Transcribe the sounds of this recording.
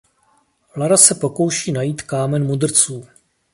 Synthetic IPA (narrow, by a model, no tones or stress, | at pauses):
laɾasɛpo̞ko̞wʃiːnajiːt̪kaːmɛnmudr̩t͡suː